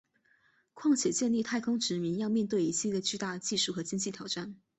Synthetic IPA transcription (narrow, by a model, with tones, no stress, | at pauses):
kʰwɑ˥˩ŋt͡ɕʰjɛ˨˩t͡ɕjɛ˥˧nli˥˧t̪ʰa˥˩ɪkʰʊ˥ŋʈ͡ʂɻ̩˧˥mi˧˥njɑ˥˧ʊmjɛ˥˧nt̪we˥˩ɪi˧˥t͡ɕʰi˥d̪ə˨t͡ɕy˥˧t̪a˥˧˩t͡ɕi˥˧ʂu˥˩xɤ˧˥t͡ɕi˥ŋnt͡ɕi˥˩jɑ˨˩ʊʈ͡ʂa˥˩n